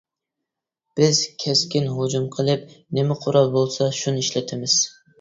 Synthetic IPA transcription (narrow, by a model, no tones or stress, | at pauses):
b̥ɪz̥kʲʰɛskʲinɦod͡ʒumqʰəlˠɨp̚nɪmɪqʰoɾɑlˠbolˠsɑʃunɨiʃlɪt̪ʰɪmɪz̥